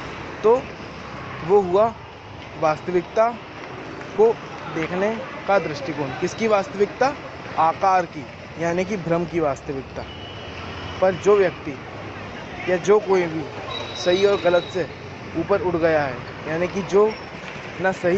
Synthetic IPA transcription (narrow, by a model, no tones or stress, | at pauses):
t̪o | ʋoɦʊa | ʋaːst̪əʋɪk̚t̪a | ko | d̪eːkʰnekad̪ɾɪʃʈikoːnkɪskiʋaːst̪əʋɪk̚t̪a | aːkaːɾki | jaːnek̬ibʱɾəmkiʋaːst̪əʋɪk̚t̪a | pɐɾd͡ʒoːʋjɐk̚t̪i | jad͡ʒoːkoːibʱisɐɦiɔːɾɣɐlət̪se | uːpəɾʊʈɡɐjaɦɛ̰ | jaːnekid͡ʒoː | nasɐɦi